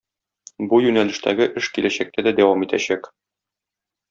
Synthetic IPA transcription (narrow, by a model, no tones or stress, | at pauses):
bujʉnælɘ̆ʃt̪æɡɘʔɘʃkilæɕæk̚t̪æd̪æd̪æwɑmit̪æɕæk